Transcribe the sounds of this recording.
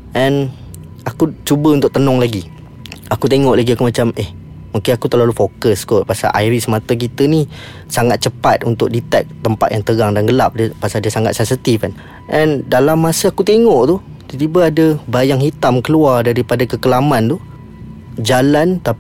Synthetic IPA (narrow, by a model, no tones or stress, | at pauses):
ʔɛn | akut͡ʃubəunt̪ʊk̚t̪ənɔŋlaɡi | akut̪eŋɔʔlaɡiakumat͡ʃamɛh | makɪnakut̪əlalufokəskɔʔ̚pasa̰ʔa̰jɾisəmat̪ak̬it̪əni | saŋat̪̚t͡ʃəpat̪̚ʔunt̪ʊk̚dit̪ɛk̚t̪əmpat̪̚jaŋt̪əɡaŋdanɡəlap̚dəpasadiəsaŋa̰t̪̚sɛnsit̪ifan | ʔɛndalamːasəakut̪eŋɔʔt̪u | t̪t̪ibəadəbajaŋɦhit̪amkəluardaɾipadakəkəlamant̪u | d͡ʒalant̪ap